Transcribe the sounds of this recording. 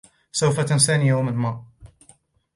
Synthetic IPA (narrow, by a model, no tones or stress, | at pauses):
sawfat̪ansanijawmənma